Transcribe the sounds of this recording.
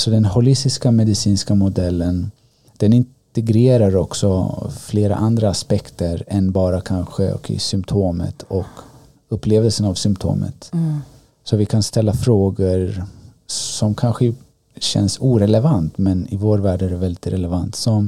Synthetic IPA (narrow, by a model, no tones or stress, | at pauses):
sɔd̪ɛnhʊlɪst̪ɪskamɛd̪ɪsiːnskamʊd̪ɛlːən | d̪̥ɛnɪnt̪ɛɡɾeːɾaɾɔksɔfleːɾa̰ʔand̪ɾaːspɛkt̪əɾɛnbɑːɾakʰanɧəɔ̰kɪ̰sʏmpt̪ʰoːmə̰t̪ʰɔk | ɵpːleːvəlsənavsʏmpt̪ʰo̰ːmə̰t̪ | sɔvɪkʰanst̪ɛlːafɾoːɡəɾ | sɔmkʰanɧə | ɕɛ̰nsuːɾɛlɛvant̪mɛnɪvoːɾvæːɖæɖɛvɛld̪ɪt̪ɾɛlɛvant̪sɔm